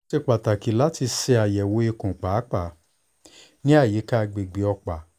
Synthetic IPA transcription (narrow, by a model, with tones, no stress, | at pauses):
e˧k͡pa˨ta˨ki˨˦la˨˦ti˧sɛ˧a˨jɛ˨wo˨˦e˧kũ˨k͡pa˨˦k͡pa˨ | nĩ˦a˦˨ji˨˦ka˦˧ɡ͡be˨ɡ͡bi˨˦ɔ˧k͡pa˨